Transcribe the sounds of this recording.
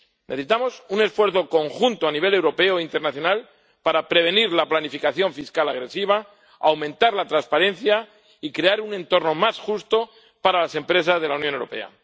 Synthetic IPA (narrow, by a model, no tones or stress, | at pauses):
nʔeθesit̪amo̞sune̞sfwe̞ɾθoko̞ŋxunt̪oaniβ̞e̞lewɾo̞pe̞oint̪eɾnaθjo̞nal | paɾapɾe̞β̞e̞niɾlaplanifikaθjo̞ɱfiskalaɣ̞ɾe̞siβ̞a | awmẽ̞nt̪aɾlat̪ɾanspaɾẽ̞nθja | ikɾe̞aɾunẽ̞nt̪o̞ɾno̞masxust̪o̞ | paɾalase̞mpɾe̞s̬azðe̞launjonewɾo̞pe̞̰a̰